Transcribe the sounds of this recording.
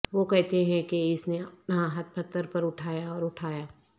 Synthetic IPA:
ʋokɛɦt̪eɦɛ̃keɪsneɐp̚nɦãɦɐt̪̚pɐt̪ːəɾpɐɾʊʈʰaːjaɔːɾʊʈʰaːjaː

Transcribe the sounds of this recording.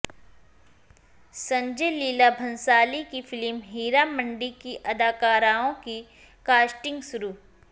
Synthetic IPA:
sɐ̃ɲd͡ʒeliːlabʱɐ̃nsaːlikifɪlmɦiːɾamə̃ɳɖikiʔɐd̪aːkaːɾaːõki | kaːsʈɪ̃ŋɡsʊɾuː

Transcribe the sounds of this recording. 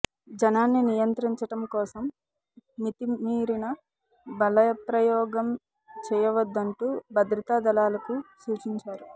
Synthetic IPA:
d͡ʒɐnaːnːinijɐnt̪ɾiɲt͡ʃɐʈɐmkɔːsɐmː | it̪imiːɾinɐ | bɐlɐjɐpɾɐjɔːɡɐm | t͡ʃɛːjɐʋɐd̪ːɐɳʈuːbɐd̪ɾɐt̪aːd̪ɐlaːlɐkusuːt͡ʃiɲt͡ʃaːɾu

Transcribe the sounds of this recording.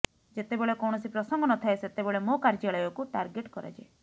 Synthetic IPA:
d͡ʒet̪ebeɭekɔwɽ̃ɔsipɾɔsɔŋɡɔnɔt̪ʰaeset̪ebeɭemokaɾd͡ʒaɭɔjɔkuʈaɾɡeʈkɔɾa̰d͡ʒe

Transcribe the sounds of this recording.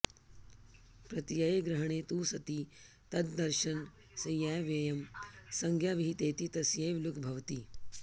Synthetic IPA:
pɾɐt̪ijɐjeɡɾɐɦɐɳ̃eːt̪uːsɐt̪i | t̪ɐd̪d̪ɐɾʃɐn | sɐjaːjʋjɐjɐmsɐŋɡʱjaːʋiɦit̪eːt̪it̪ɐsjeːʋlukʰbʱɐʋt̪iː

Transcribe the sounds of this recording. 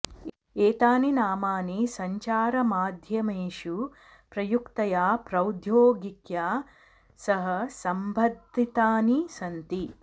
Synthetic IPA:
eːt̪aːninaːmaːnisɐɲt͡ʃaːɾɐmaːd̪ʱjɐmeːʃu | pɾɐjukt̪ɐjaːpɾɐwd̪ʱjoːɡikjaː | sɐɦɐsɐmbʱɐd̪ːit̪aːnisɐnt̪i

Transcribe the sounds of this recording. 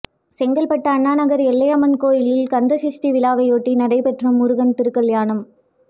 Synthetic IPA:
sɛŋɡɐlpɐʈːɐːnːaːnɐɣɐɾɛlːɐjɐmɐnkoːjɪlɪlkɐnd̪ɐsɪʂʈiʋɪlaːʋɐɪoːʈːinɐɽɐɪpɛʈrɐmʊɾʊɣɐnt̪ɪɾɯkːɐljaːnɐm

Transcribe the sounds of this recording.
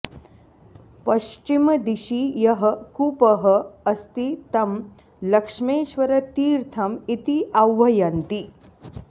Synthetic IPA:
pɐɕt͡ʃimd̪iɕijɐɦəkupəɦəɐst̪it̪ɐm | lɐkʂmeːɕʋɐɾɐt̪iːɾt̪ʰɐmit̪iʔɐwːɐjant̪i

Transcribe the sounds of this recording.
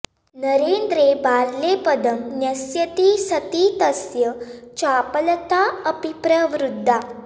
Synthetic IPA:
nəɾend̪ɾebaɾlepəd̪ʱəmnjɐsjət̪iːsət̪it̪əsjət͡ɕapələt̪aəpipɾəʋɾud̪ʱːa

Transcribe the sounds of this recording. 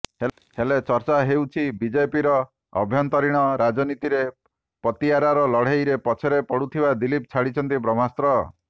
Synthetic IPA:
helet͡ʃɔɾt͡ʃaɦewt͡ʃʰibid͡ʒejpiɾɔ | ɔ̰bʱjɔnt̪ɔɾiɽ̃ɔɾad͡ʒɔnit̪iɾe | pɔt̪iaɾaɾɔlɔɽ̤ejɾepɔt͡ʃʰeɾepɔɽut̪ʰibad̪ilip̚t͡ʃʰaɽit͡ʃʰɔnt̪ibɾɔm̤ast̪ɾɔ

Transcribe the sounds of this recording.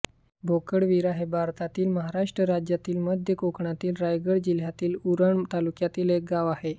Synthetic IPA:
bʱokəɽʋiɾaɦebʱaɾt̪at̪iːlməɦaɾaʂʈɾəɾad͡ʑjat̪iːlməd̪ʱjəkokɳat̪iːlɾajɡəɽd͡ʑil̤jat̪iːluɾəɳt̪alukjat̪iːlek̚ɡaʋaɦe

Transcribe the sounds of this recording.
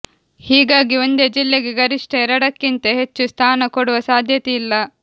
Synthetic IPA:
hiːɡaːɡio̞nd̪ed͡ʒilːe̞ɡeɡɐɾiʂʈʰɐɛɾɐɽɐkːint̪ɐɦe̞t͡ʃːust̪ʰaːnɐkoɽuʋɐsaːd̪ʱjɐt̪ɛilːɐ

